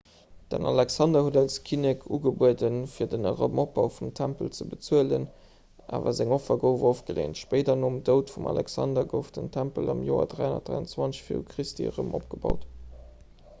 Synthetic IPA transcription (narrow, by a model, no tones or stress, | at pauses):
d̥ə̰nɑ̰lɛksɑndɐhudɑlskʰinɛkʰuːɡəbuədənfiːɐdənə̰ʁəmop̚ɑʊfumtʰæmpəlt͡səbət͡suələn | ʔa̰ːvɐzæŋofɐɡəʊvofɡ̥əlḛːntʃpəɪdɐnoːəmdəʊtfumɑ̰lɛ̰ksɑ̰ndɐɡəʊfd̥əntʰæmpəlʔɑmjoːɐ̰dʁæɪonɐtd̥ʁa̰ɪənt͡swɑnt͡sɕfḭukʰʁistʰḭəʁəmʔop̚ɡ̥əbɑʊt